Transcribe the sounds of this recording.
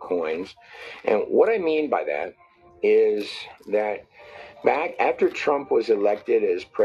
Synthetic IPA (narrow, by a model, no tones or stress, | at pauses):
kʰɔ̃ɪ̃nz̥ʔɨ̰̃nwʌɾaɪmĩnbaɪðæ̰ɾ̚ | ɪzðɨt̚b̥ækæftə˞tʰɹ̥ʌ̃mpwʌzɨlɛk̚tɪɾɨz̥pʰɹ̥ɛ